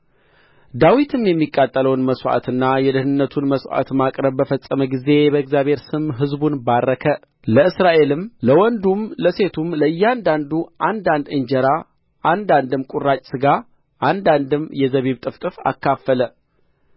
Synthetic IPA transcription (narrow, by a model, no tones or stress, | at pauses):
d̪awit̪ʰɨmjɛmːikʼːat̪ʼːələwnməswa̰t̪ɨnːajɛd̪ɨhnɨnːət̪ʰunməswa̰t̪makʼɾəβːəfəsʼːəməɡize̞bəɨɡzjaβhe̞ɾsɨmɦɨzbunbarːəkʰə | ləɨsɾaʔe̞lɨmləwɔnd̪umləse̞t̪ʰumləɨjːand̪and̪uʔand̪and̪ɨɲd͡ʒɛɾa | ʔand̪and̪ɨmkʼurːat͡ʃʼsɨɡa | ʔand̪and̪ɨmjɛzəβiβt̪ʼɨft̪ʼɨfa̰kːafːələ